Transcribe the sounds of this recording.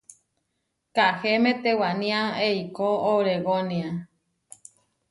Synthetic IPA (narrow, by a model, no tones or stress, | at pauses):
kahemẽt̪ewanĩaeikoːwɾeɣonĩa